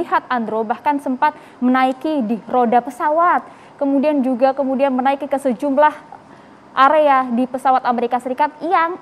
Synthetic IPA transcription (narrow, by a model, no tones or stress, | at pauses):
iɦat̪̚and̪ɾobahkansəmpat̪̚ | mənaikidiɾodapəsawat̪̚ | kəmudiand͡ʒuɡakəmudianmənaikikəsəd͡ʒumlah | ʔaɾeadipəsawat̪ameɾikasəɾikat̪̚jaŋ